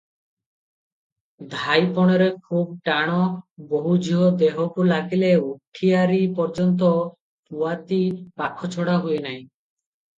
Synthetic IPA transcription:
d̪ʱajpɔɽ̃ɔɾekʰub̚ʈaɽ̃ɔboɦud͡ʒiɦɔd̪eɦɔʈulaɡileuʈʰiaɾipɔɾd͡ʒɔnt̪̬ɔ | puat̪ipakʰɔt͡ʃʰɔɽaɦuenaj̃

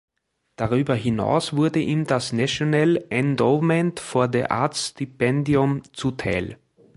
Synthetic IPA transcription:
d̥aʁyːbɐɦina̰ʊsv̥ʊɐdəʔiːmdasnaʃonɛlɛndɔːvmɛ̃ntfoːɐdeːɐʔa̰ɐtstipɛndiʊmt͡sutʰaɪl

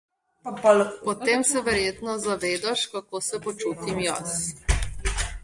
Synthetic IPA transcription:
pɔlpɔt̪eːmsɛʋɛɾjeːt̪nɔzaʋeːd̪aʃkakoːsɛpɔt͡ʃuːt̪imja̰s

